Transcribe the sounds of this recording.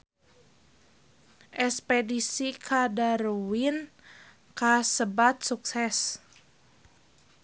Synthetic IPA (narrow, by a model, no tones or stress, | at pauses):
ʔɛspedisikʰadaɾwin | kasəbat̪̚suk̚sɛs